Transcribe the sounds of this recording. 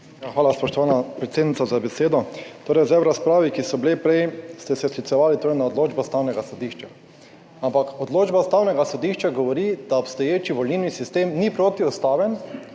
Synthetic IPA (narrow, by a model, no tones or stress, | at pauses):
jaxʋaːlaspɔʃt̪ɔʋaːnapɾɛt̪seːd̪nitsazabɛseːd̪ɔt̪oːɾɛjzɛɾaspɾaːʋikisɔbilepɾɛjst̪ɛsɛsklit̪sɛʋaːlit̪oːɾɛjnaɔd̪loːd͡ʒbɔst̪aːwnɛɡasɔd̪iːʃt͡ʃa | ampakɔd̪loːd͡ʒbast̪aːwnɛɡasɔd̪iːʃt͡ʃaɡɔʋɔɾid̪aɔpst̪ɔjeːt͡ʃiʋɔlnilnisist̪eːmnipɾoːt̪iɔst̪aːʋɛn